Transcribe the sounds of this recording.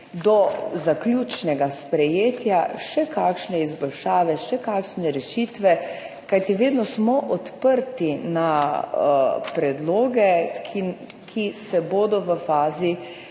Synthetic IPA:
d̪ɔzaklʲuːt͡ʃnɛɡaspɾɛjeːt̪jaʃɛkaːkʃnɛizbɔlʃaːʋɛʃɛkakʃnɛɾɛʃit̪ʋɛ | kajt̪iʋeːd̪nɔsmɔʔɔt̪pəɾt̪ina | pɾɛd̪loːɡɛkʰi | kʰisɛboːd̪ɔʋəfaːzi

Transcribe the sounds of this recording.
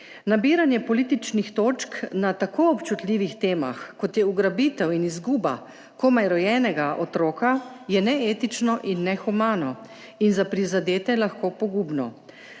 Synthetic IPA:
nabiːɾanjɛpɔliːt̪it͡ʃnixt̪oːt͡ʃknat̪akoːɔpt͡ʃut̪liːʋixt̪eːma̰xkɔt̪jɛuɡɾabit̪ɛwinizɡuːba̰ | komajɾɔjɛːnɛɡaʔɔt̪ɾoːkajɛnɛeːt̪it͡ʃnɔʔinːɛxumaːnɔ | inzapɾizad̪eːt̪ɛlaxkoːpɔɡuːbnɔ

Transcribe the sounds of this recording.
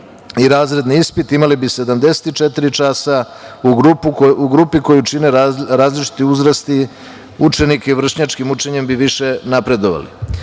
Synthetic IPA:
iɾaːzɾe̞d̪niispit̪imalibise̞d̪amd̪e̞se̥t̪it͡ʃet̪iɾit͡ʂasa | uɡɾupuɡɾupiko̞jut͡ʂineɾaːzlit͡ʃi̥t̪iuzɾast̪i | ut͡ʂe̞nikeiʋr̩ʃɲat͡ʃkimut͡ʂe̞ɲe̞mbiʋiʃe̞napɾe̞d̪o̞ʋa̰lḭ

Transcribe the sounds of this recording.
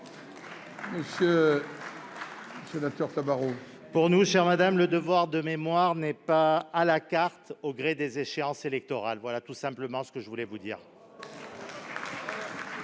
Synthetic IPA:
məsjø | əsenak̚t̪œʁt̪abaʁo | puʁnuʃɛʁmad̪amləd̪əvwaʁd̪əmemwaʁnɛpaːlakaʁt̪oɡʁed̪ezeʃeɑ̃selɛk̚t̪ɔʁalvwalat̪usɛ̃pləmɑ̃sə̥kəʒəvulɛvud̪iːʁ

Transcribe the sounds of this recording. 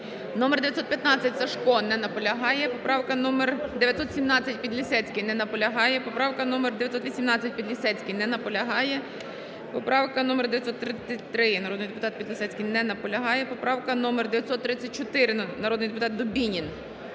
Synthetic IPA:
nɔmerd̪ʋjɐt̪sɔt̪pʲjɐt̪nɑt͡sʲːɐtʲsɐʃkɔnɛnɐpɔlʲɐɦɑjɛpɔpɾɑwkɐnɔmerd̪eʋʲjɐt̪sɔt̪sʲimnɑt͡sʲːɐt̚ʲpʲid̪lʲisɛt͡sʲkɪjnɛnɐpɔlʲɐɦɑjɛpɔpɾɑwkɐnɔmerd̪ejɐt̪ʲsɔt̪ʋʲisʲimnɑt͡sʲːɐt̚ʲpʲid̪lʲisɛt͡sʲkɪjnɛnɐpɔlʲɐɦɑjɛ | pɔpɾʔɑwkɐnɔmerd̪eʋjɐtsɔt̪ːɾɪt͡sʲːɐt̚ʲt̪ɾɪnɐɾɔd̪njd̪epʊt̪ɑt̪̚pʲid̪lʲɪsɛt͡sʲkɪjnɛnɐpɔlʲɐɦɑjɛpɔpɾɑwkɐnɔmerd̪eʋʲjɐt̪ʲsɔt̪ːɾɪt͡sʲːɐt̚ʲt͡ʃɔt̪ɪɾɪnɐɾɔd̪nɪjd̪epʊt̪ɑt̪̚d̪ɔbʲinʲin

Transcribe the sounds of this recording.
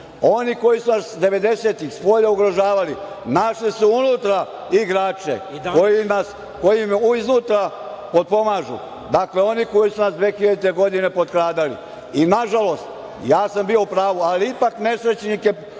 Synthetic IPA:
o̞niko̞jisunasd̪e̞ʋe̞d̪e̞se̞ːt̪ixspo̞ʎauɡɾoʒaːʋali | naʃlisuunut̪ɾa | iɡɾaːt͡ʃe̞̰kojinas | ko̞jimuiznuːt̪ɾa | pod̪̚po̞maːʒṵ | d̪akle̞o̞niko̞jisunasd̪ʋe̞ːxiʎad̪ut̪e̞ɡo̞d̪ine̞po̞d̪kɾaːd̪alḭ | inaʒalo̞st̪ | jaːsambio̞upɾaːʋualiipakne̞sɾe̞t͡ɕnike̞

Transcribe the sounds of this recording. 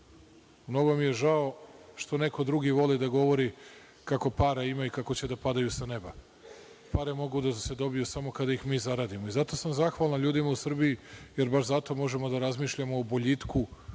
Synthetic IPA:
mno̞ɡo̞mije̞ʒao̞ʃt̪o̞ne̞ko̞d̪ɾuɡiʋo̞lid̪aɡo̞ʋo̞ɾi | kako̞paɾaimaikako̞t͡ɕe̞d̪apad̪ajusane̞ba | paɾemo̞ɡud̪ase̞d̪o̞bijusamo̞kad̪aixmiːzaɾaːd̪imo̞izat̪o̞samzaxʋalˠnaʎuːd̪imausr̩bijijeɾbaʃzat̪o̞mo̞ʒe̞mo̞d̪aɾazmiːʃʎamo̞ːboʎit̪ku

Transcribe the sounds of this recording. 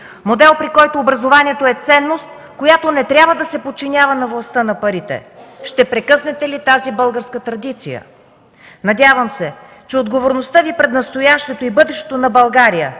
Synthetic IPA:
mod̪ɛlˠpɾikɔjt̪oːbɾɐzovaniɛt̪oɛt̪sɛnːost̪ | kojat̪onɛt̪ɾʲabvəd̪ɐsɛpot̪̚t͡ʃinʲavənɐvlˠɐst̪ənɐpɐɾit̪ɛ̰ʃt̪ɛpɾɛkɤsnɛt̪ɛlit̪azibɤlˠɡəɾskət̪ɾɐd̪it̪sijə̰ | nɐd̪ʲavəmsɛ | t͡ʃɛod̪ɡovoɾnost̪əvipɾɛd̪nɐst̪ojaʃt̪ot̪oibɤd̪ɛʃt̪ɛ̥t̪onɐbɐlˠɡaɾijə̰

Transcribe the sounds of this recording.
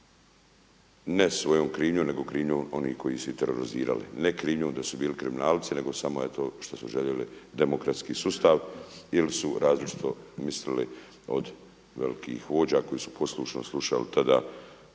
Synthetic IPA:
nesʋo̞joːmkɾiːmɲomne̞ɡo̞kɾiːmɲoːmo̞nḭːhkʰo̞jisuit̪eɾoɾizḭːɾa̰lḭnekɾiːmɲoːmd̪asubiːlikɾiminaːlt̪sine̞ɡo̞samoet̪oʃt̪osuʒeʎelḭd̪emokɾat̪skiːsust̪aːʋilisuɾʔaːzlit͡ʃi̥t̪ʰo̞mislili | o̰d̪ | ʋelikʰḭːxʋo̞ːd͡ʑako̞jisu̥pʰo̞slˠuʃno̰slˠuʃa̰lit̪ad̪aː

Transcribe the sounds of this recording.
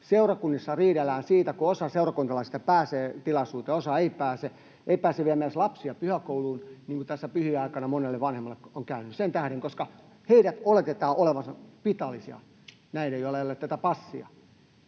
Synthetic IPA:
seurɑkunːisːɑriːɾelːæːnsiːt̪ækuosɑseurɑkunt̪ɑlɑise̥t̪epæːseːt̪ilɑsuːt̪eosɑeipæːse | eipæːseʋiæmiæslɑpsiɑpyhækouluːnniːŋkut̪æsːæpyhiɑikɑnɑmonelːeʋʋɑnhemːɑlːˑekoŋkæynːyssent̪æhɾeŋkoskɑ | heiɾæt̪olet̪et̪ɑːʔoleʋɑsɑpit̪ɑlːisiɑ̰ | næineijolːeiolːet̪tæt̪æpɑsːiɑ̰

